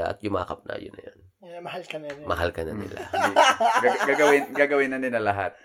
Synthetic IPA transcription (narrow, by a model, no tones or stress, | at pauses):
aʔɐ̰t̪jʊma̰ːkɐp̚nʔɐ̰jʊnɐjan | mɐhalkɐmɐhalkɐnɐnɪ̰la | ɡaɡɡaːɡɐwɪnɡaːɡɐwɪnːɐnɪlɐlɐɦat̪̚